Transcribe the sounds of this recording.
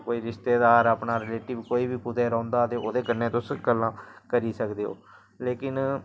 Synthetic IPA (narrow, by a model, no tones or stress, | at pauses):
koːiːɾɪʃt̪eːd̪aːɾaːpnaːɾɛleːʈɪʋkoːiːbiːkʊt̪eːɾɔ̃ːnd̪aːət̪eːoːd̪eːkənːeːt̪ʊsɡəlːãːkəɾiːsəkd̪eːɦo̰ː | leːkɪn